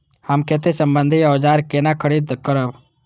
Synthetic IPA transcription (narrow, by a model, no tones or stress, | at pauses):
həmket̪esəmbənd̪ʱiawd͡ʒaːɾkenakʰəɽid̪kəɾəb